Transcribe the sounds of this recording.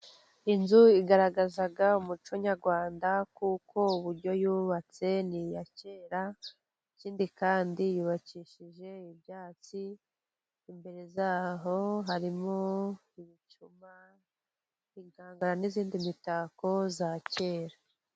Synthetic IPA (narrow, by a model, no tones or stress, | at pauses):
inzuiɡaɾaɡazaɡaumut͡ʃoɲaɾɡwaːndakukʰo̞uβuɾɟo̞juːβat͡se̞nijace̞ːɾa | iciːndikaːndijuβaciʃiʒe̞ibjaːt͡siː | mbe̞ɾe̞zaːɦo̞ɦaɾimo | iβit͡ʃuma | iŋɡaːŋɡaɾaniziːndimitaːko̞zace̞ːɾa